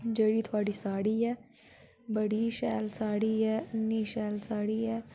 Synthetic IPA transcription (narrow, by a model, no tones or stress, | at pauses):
d͡ʒəːɽiːt̪ʰʊaːɽiːsaːɽiːɦɛː | bəɽiʃɛːlsaːɽiːɦɛːɐnːiːʃɛːlsaːɽiːɦɛː